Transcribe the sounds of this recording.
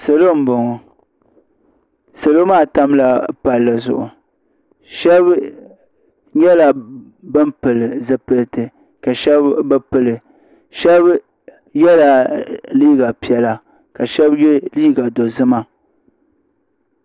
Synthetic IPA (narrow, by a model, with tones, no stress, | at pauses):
sɨ˨lo˦m̩˦bo˨ŋɔ˨ | sɨ˨lo˦maː˦˨ta˦mla˨pa˨lːa˨zʊ̰˨ʔʊ˨ | ʃɛ˦b | ɲɛ˦la˨ | bɨ˦mpɨ˨lɨ˨zɨ˦pɨ˨ltɨ˨ | ka˨ʃɛ˦bba˦pɨ˦lɨ˨ | ʃɛ˦b | jɛ˦la˨liː˦ɡa˨pi˨ɛ˨la˨ | ka˨ʃɛ˦bjɛ˦liː˦ɡa˨do˨zɨ˦ma˦